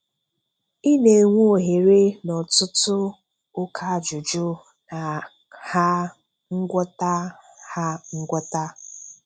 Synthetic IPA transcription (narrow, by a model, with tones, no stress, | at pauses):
i˦ne˨ŋʷu˦o˨ɦe˨ɾe˦nɔ˨tʊ˦tʊ˦ | ʊ˦kʰa˦a˨d͡ʒʊ˨d͡ʒʊ˦ | na˨ | ha˦ | ŋ̩˦ɡʷɔ˦ta˦ha˦ŋ̩˦ɡʷɔ˦ta˦